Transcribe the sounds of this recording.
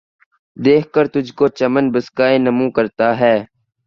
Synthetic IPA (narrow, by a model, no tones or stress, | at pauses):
d̪eːkʰkəɾt̪ʊd͡ʒʱkoːt͡ʃəmənbəskaːẽːnəmũːkəɾt̪aːɦɛː